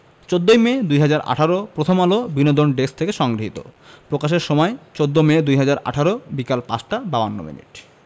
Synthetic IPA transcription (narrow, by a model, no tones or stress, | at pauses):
t͡ɕod̪ːojmed̪ujɦad͡ʑaɾʔa̰ʈʰaɾopɾot̪ʰomalobinod̪ʱonɖest̪ʰekeʃɔŋɡɾoɦit̪o̰pɾokaʃ̬eɾʃɔmɔet͡ɕod̪ːomed̪ujɦad͡ʑaɾa̰ʈʰaɾobikalpa̰t͡ɕʈababanːo̰mḭnḭʈ